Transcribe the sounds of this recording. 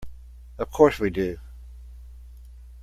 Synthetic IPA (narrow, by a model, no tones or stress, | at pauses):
əv̥kʰɔɹswidʉ